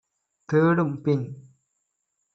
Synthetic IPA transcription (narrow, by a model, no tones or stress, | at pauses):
t̪eːɽɯmpɪɲ